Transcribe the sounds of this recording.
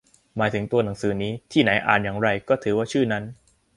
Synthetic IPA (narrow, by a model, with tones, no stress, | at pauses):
maː˩˦jt̪ʰɯ˩˦ŋt̪u˧ɐna˩˦ŋsɯː˩˦niː˦˥t̪ʰiː˥˩na˩˦jʔa̰ː˨˩njaː˨˩ŋɾa˧jkɔː˥˩t̪ʰɯː˩˦waː˥˩t͡ɕʰɯː˥˩na˦˥n